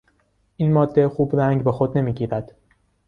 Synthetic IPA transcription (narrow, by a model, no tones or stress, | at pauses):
ʔiːnmɒːd̪ːe̞xuːbɾæŋɟbexod̪ne̞miːɟiːɾæd̪̥